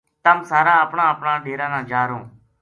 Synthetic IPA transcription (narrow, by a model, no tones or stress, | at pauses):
t̪əmsaːɾãːəpɳãːəpɳãːɖʱeːɾãːnãːd͡ʒaːɾõː